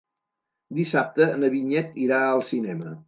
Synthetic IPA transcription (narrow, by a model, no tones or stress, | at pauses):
d̪isap̚t̪ənəβiɲɛt̪iɾaəlˠsinɛmə